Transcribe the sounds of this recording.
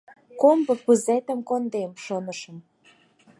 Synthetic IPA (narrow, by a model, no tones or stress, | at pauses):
kombɤ̆puzet̪ə̆mkond̪emʃonə̆ʃə̆m